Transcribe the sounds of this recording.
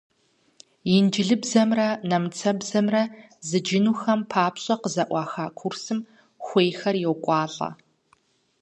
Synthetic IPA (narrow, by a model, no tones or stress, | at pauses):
jɪnd͡ʒɪɮɨbzɐmrɐnɐmt͡sʰɐbzɐmrɐ | zɨd͡ʒɪnuːxɐmpʰaːpʰɕʼɐqəzɐʔʷɑːxaːkʷʰʊrsɨm | xʷeːjxɐrjɛwkʷʼɑːɬʼɐ̰